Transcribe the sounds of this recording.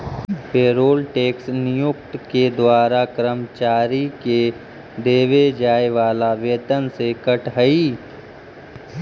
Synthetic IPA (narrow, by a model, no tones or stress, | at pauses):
peːɾoːlʈeːksnɪjʊkʈ̪ked̪waːɾakɾəmt͡ʃaːɾike | d̪eːʋed͡ʒaːeʋaːlaʋjeːt̪ənsekəʈɦəiː